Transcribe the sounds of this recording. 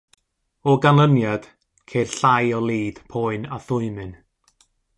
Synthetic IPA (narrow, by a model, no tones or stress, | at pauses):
ɔɡanlˠənjad̥ | kʰerɬajɔlˠiːð̥pʰɔɨnaθʊɨmɨn